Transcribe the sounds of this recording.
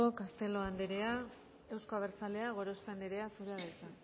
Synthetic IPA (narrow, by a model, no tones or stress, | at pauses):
okast̪e̞lo̞and̪eɾea | e̞wsko̞aβ̞eɾt͡sale̞aɣ̞o̞ɾoskoand̪eɾe̞asuɾaðet͡sa